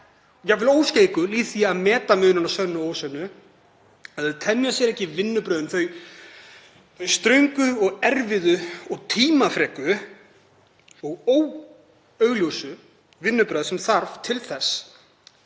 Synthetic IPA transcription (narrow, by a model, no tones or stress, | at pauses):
jɛɣvɪloːwskceːjkʏliːθiaðmɛːt̪amʏːðnɪnasœnːʏoːwsœnːʏ | aðɛt̪ʰɛnːjasjɛɾɛhcːɪvɪnːʏpɾœːðʏnθœɥ | θœɥst̪ɾœɥŋkʏɔɣɛɾvɪðʏɔɣt̪ʰiːmafɾɛːkʏ | ɔɣoːw | œɥɣljowsʏ | vɪnːʏpɾœːðsɛmθaɾv̥t̪ʰɪlθɛsː